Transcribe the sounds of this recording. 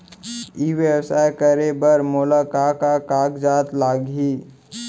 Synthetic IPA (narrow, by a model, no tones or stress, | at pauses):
iːʋewsaːjkəɾebəɾmʊlakaːkakaːkd͡ʒaːt̪laːɡiː